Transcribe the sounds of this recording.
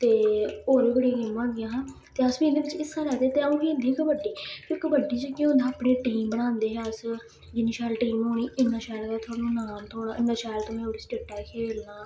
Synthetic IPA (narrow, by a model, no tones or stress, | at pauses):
t̪eːoːɾiːkəɽĩkɪmʋãːɡɪjãːɦãː | t̪eːəsʋĩːd̪eːʋɪt͡ʃɪsːaːlɛːt̪eːt̪eːəũːkiːd̪ʱikbəɖiːkɪkbəɖiːt͡ʃəkiʊ̃nd̪aːpɳeːʈiːmbənãːnd̪eːɦɛəs | d͡ʒɪnĩːʃaːlʈiːmɦoːñiːʔɪnːãːʃaːlkaːt̪ʰʊaːnũːnaːmt̪õːɪnːaːʃaːlt̪õːmɛ̃ːoːɾisʈɪːkʈɛːkʰeːlnaː